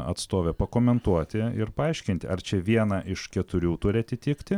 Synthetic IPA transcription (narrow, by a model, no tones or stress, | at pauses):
ɐ̰t̪st̪oːʋʲɛpɐkoːmʲɛnt̪uɔt̪ʲɪɪɾpɐɐɪʃʲkʲɪnt̪ʲɪɐrt͡ʃʲɛʋʲiɛnɑʔɪʃkʲɛt̪ʊɾʲuːt̪ʊɾʲɪɐt̪ʲɪt̪ʲɪːkt̪ʲɪ